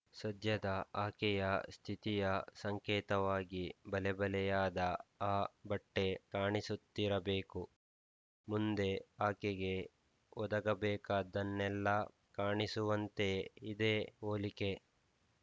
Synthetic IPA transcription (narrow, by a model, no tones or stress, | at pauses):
sɐd̪ʱjɐd̪ɐaːkɛjɐst̪ʰit̪ijɐsɐŋkɛːt̪ɐʋaːɡibɐlɛbɐlɛjaːd̪ɐaːbɐʈːe̞kaːɳisut̪ːiɾɐbeːku | mund̪e̞aːkeɡe̞ | ɔd̪ɐɡɐbɛːkaːd̪ɐnːɛlːɐ | kaːɳisuʋɐnt̪e̞id̪eːoːlike̞